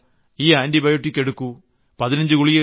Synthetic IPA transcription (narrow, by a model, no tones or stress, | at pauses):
iːaːndibɐjoʈːikʲːe̞ɽukːu | pɐðinɐɲd͡ʑɨkuɭijɐ